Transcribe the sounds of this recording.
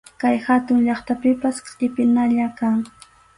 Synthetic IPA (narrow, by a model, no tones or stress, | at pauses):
kajhat̪ʊŋʎɑχt̪apɪpaskʼɪpɪnaʎakaŋ